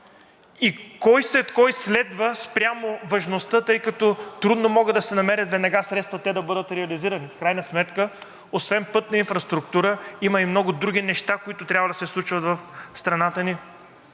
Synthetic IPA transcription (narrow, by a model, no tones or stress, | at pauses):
ikɔjslɛt̪kɔjslɛd̪vəspɾʲamovɐʒnost̪ət̪ɤjkɐt̪ɔt̪ɾud̪nomɔɡəd̪d̪ɐsɛnɐmɛɾʲət̪vɛd̪nɐɡasɾɛt̪st̪vɐt̪ɛd̪ɐbɤd̪ət̪ɾɛɐliziɾənifkɾajnəsmɛt̪kə | osvɛmpɤt̪nɐinfɾɐst̪ɾukt̪uɾəiməimnɔɡʊd̪ɾuɡ̟ʲinɛʃt̪akoit̪ʊt̪ɾʲavəd̪ɐsɛslˠut͡ʃvɐt̪vɐfst̪ɾɐnat̪əni